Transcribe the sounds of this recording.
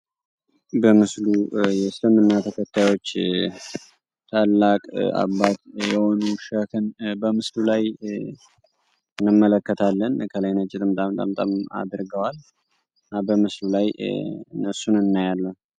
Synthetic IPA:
bəmɨslujɛsləmɨnːat̪ʰəkʰət̪ʰːajwo̞t͡ʃː | t̪ʰalːakʼa̰βːat̪jɛho̞nuʃəkʰɨnbəmɨslulaj | ɨnːɨmːələkːət̪ʰalːənkʰələjnət͡ʃʼːɪt̪ʼɨmt̪ʼamt̪ʼa̰mt̪ʼa̰ma̰d̪ɾɡəwal | nabəmɨslulajnːəsunɨnːajalːən

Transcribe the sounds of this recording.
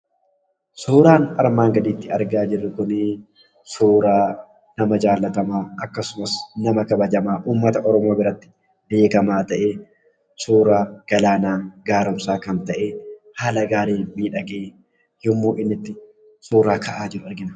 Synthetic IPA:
suːɾaːnɐɾmaːŋɡɐd̪iːt̪ːɪɐɾɡaːd͡ʒɪrːɪkʊnɪ | suːɾaː | nɐmɐd͡ʒaːlːɐt̪ɐmaːɐkːɐsʊmɐsnɐmɐkɐbɐd͡ʒɐmaːʔuːmːɐt̪ɐʔɔɾɔmoːbɪɾɐt̪ːɪ̥ | d̪eːkɐmaːt̪ɐʔeː | suːɾaːɡ̥ɐlaːnaːɡaːɾʊmsaːkɐnt̪ɐʔeːhaːlɐɡaːɾeːmiːᶑɐɡeː | jɔmːoːʔɪnːɪt̪ːɪ | suːɾaːkʰɐʔaːd͡ʒɪɾʊɐɾɡɪnɐ

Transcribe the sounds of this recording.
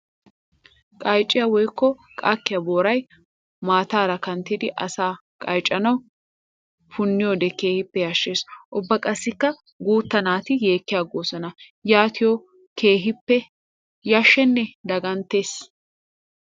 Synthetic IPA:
kʼɐjt͡ʃʼːɪjɐwɔjkːɔ | kʼakːɪjɐboːɾɐj | maːt̪aːɾɐkɐnt̪ːɪd̪ɪʔɐsaː | kʼɐjt͡ʃʼːɐnɐw | fʊnːɪjod̪ɛke̞ːhɪpːɛjaːʃːe̞ːsʔʊbːɐkʼɐsːɪkːɐ | ɡuːt̪ːɐnaːt̪ɪje̞ːkːɪjaːɡoːsɐnɐ | jaːt̪ʰɪjɔ | keːɦɪpːɛ | jaʃːɛnːɛd̪ɐɡɐnt̪ːe̞ːs

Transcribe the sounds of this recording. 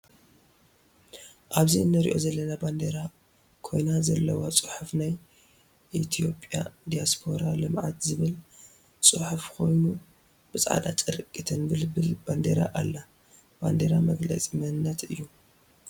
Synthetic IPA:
ʔaβziɨnːɨɾḭʔo̞̰zɐlːɐnaband̪eɾa | kʰo̞jnazɐlːɐwat͡sʼɨ̥ħufnaj | ʔit̪ʰijo̞pʼjad̪ijaspʰo̞ɾalɨmʕa̰t̪zɨβɨl | t͡sʼɨħufkʰo̞jnu | b̥ɨt͡sʼʕa̰d̪a̰t͡ʃʼɨɾkʼːit̪ʰɨnbɨlɨbɨlb̥and̪eɾa̰ʔalːa | b̥and̪eɾamɐɡlɐ̰t͡sʼimɐhɨnːɐt̪ɨjːu

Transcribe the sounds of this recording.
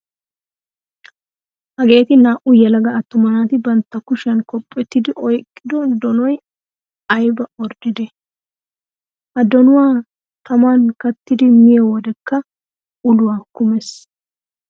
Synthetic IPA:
hɐɡe̞ːt̪ɪnaːʔʊjɛlɐɡɐːt̪ːʊmɐnaːt̪ɪbɐnt̪ːɐkʊʃɐnkɔpʼːɛt̪ːɪd̪ɪʔɔjkʼːɪd̪ɔd̪ɔnɔj | ɐjbɐɔɾd̪ɪd̪ɛ | ʔɐd̪ɔnʊwaː | t̪ɐmankɐt̪ːɪd̪ɪmɪjɛwɔd̪ɛkːɐ | ʔʊlʊwaːkʊmɛs

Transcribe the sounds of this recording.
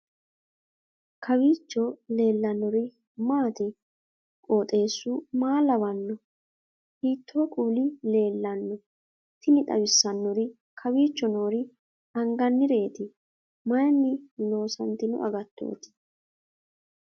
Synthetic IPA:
kʰɐwiːt͡ʃːɔle̞ːlːɐnːɔɾɪ | maːt̪ɪ | kʼoːt̪ʼe̞ːsːʊmaːlɐwɐnːɔ | hiːt̪ːoːkʼuːlɪle̞ːlːɐnːɔ | t̪ːɪnɪt̪ʼɐ̰wɪsːɐnːɔɾɪ | kʰɐwiːt͡ʃːɔno̞ːɾɪ | ɐŋɡɐnːɪɾe̞ːt̪ɪ | mɐjɐnːɪlo̞ːsɐnt̪ɪnʊ̰ʔɐ̰ɡɐt̪ːo̰ːt̪ɪ̥

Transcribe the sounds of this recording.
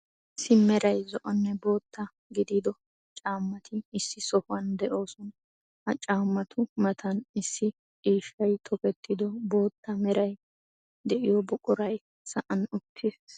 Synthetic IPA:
ɪsːɪmɛɾɐjzɔʔɔnːɛbo̞ːt̪ːɐ | ɡɪd̪iːd̪ɔ | t͡ʃʼaːmːɐt̪ʰɪɪsːɪsɔhʊɐnd̪ɛʔo̞ːsɔn | hɐt͡ʃʼaːmːɐt̪ʰʊmɐt̪ʰɐnɪsːɪ | iːʃːɐjt̪ʰɔkɛt̪ːɪd̪ɔbo̞ːt̪ːɐmɛɾɐj | d̪ɛʔɪjɔbʊkʼʊɾɐj | sɐʔɐnʊkʰːɪs

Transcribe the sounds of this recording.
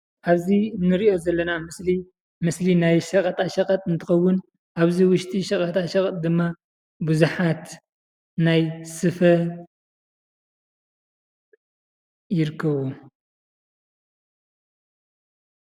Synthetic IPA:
ʔaβzinːɨɾiʔo̞zɐlːɐnamɨsli | mɨslinajʃɐkʼɐt̪ʼaʃɐkʼɐt̪ʼɨnt̪ʰɨxɐwːʊn | ʔaβziwʊʃt̪ʼiʃɐkʼɐt̪ʼaʃɐkʼt̪̚ʼd̪ɨmːa | buzuħat̪ | najsɨfɐ | jɪɾkʰːɐβu

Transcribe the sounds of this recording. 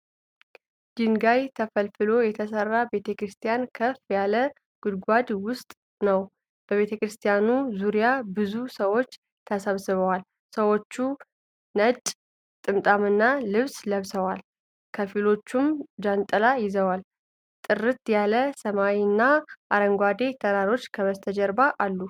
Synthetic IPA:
d͡ʒɪnɡajt̪ʰəfəlfɨlo̞jɛt̪ʰəsərːabe̞t̪ʰəkɾɨst̪ʰijankʰəfjalə | ɡ̥ʊd̪ɡʷad̪wʊst̪ʼ | nəw | b̥əβe̞t̪ʰəkɾɨst̪ʰijanuzuɾijabɨzusəwo̞t͡ʃː | t̪ʰəsəβsɨβəwal | səwo̞t͡ʃːu | nət͡ʃʼ | t̪ʼɨmt̪ʼamɨnːalɨβsləβsəwal | kʰəfilo̞t͡ʃːumd͡ʒant̪ʼəlajɪzəwal | t̪ʼɨrɨt̪jaləsəmawinːaʔaɾəŋɡʷad̪e̞t̪ʰəɾaɾo̞t͡ʃːkʰəməst̪ʰəd͡ʒɛɾbaʔalːu

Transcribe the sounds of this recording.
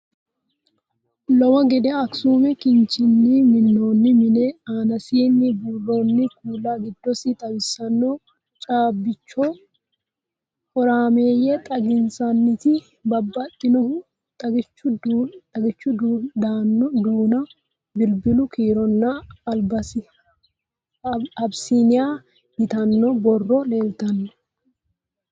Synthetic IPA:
lɔwɐɡɛd̪ɛɐksuːmɛkɪnt͡ʃɪnːimɪnːoːnːɪmɪnɛaːnɐsiːnːɪbuːrːoːnːɪkuːlːaːɡɪd̪ːɔsɪt̪ʼɐbɪsːɐnːoː | t͡ʃʼaːbːɪt͡ʃːɔ | hɔɾaːme̞ːjɛt̪ʼɐɡɪnsɐnːɪt̪ɪ | bɐbːɐt̪ʼːɪnɔhʊ | t̪ʼɐɡɪt͡ʃːʊdt̪ʼɐɡɪt͡ʃːʊd̪d̪aːnːɔd̪uːnɐ | bɪlbɪlʊkiːɾɔnːɐːlbɐsɪ | ɐbsinɪja | ɡɪt̪ɐnːɔbɔrːɔleːlt̪ɐnːɔ̥

